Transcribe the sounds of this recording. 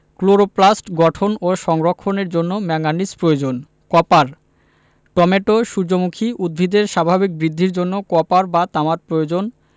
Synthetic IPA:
kloɾoplasʈɡɔʈʰonoʃɔŋɾokʰːoneɾd͡ʑonːomɛŋanispɾojod͡ʑon | kɔpaɾ | ʈɔmeʈoʃud͡ʑomukʰiud̪̚bʱid̪eɾʃabʱabik̚bɾid̪ʱːiɾd͡ʑonːokɔpaɾbat̪amat̪̚pɾojod͡ʑon

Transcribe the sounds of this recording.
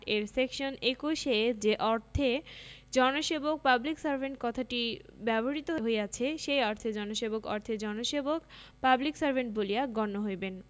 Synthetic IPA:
eɾsekʃonekuʃed͡ʑeʔɔɾt̪ʰed͡ʑɔnoʃebok̚pabliksaɾbʱeɳʈ̚kɔt̪ʰaʈibɛboɾit̪oɦoɦoeat͡ɕʰeʃejɔɾt̪ʰed͡ʑɔnoʃebokɔ̰ɾt̪ʰed͡ʑɔnoʃebokpabliksaɾbʱeɳʈboliaɡɔnːoɦojben

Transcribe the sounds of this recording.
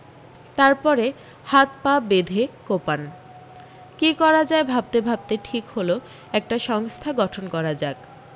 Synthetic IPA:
t̪aɾpɔɾe | hat̪pabed̪ʱekopan | kikɔɾad͡ʑaebʱab̚t̪ebʱab̚t̪eʈʰikholo | ɛk̚ʈaʃɔŋst̪ʰaɡɔʈʰonkɔɾad͡ʑak

